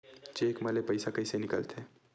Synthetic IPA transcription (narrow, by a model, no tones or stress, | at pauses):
d͡ʒeːkmɐlepəɪsakɐɪsenɪkə̰lt̪ʰeː